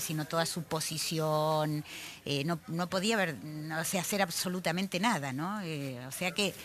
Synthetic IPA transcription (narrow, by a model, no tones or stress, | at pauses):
sinot̪o̞ðasupo̞sisjoneno̞no̞po̞ðiaβeɾoseaseɾaβso̞lut̪amẽnt̪e̞naðanõ̞eoseake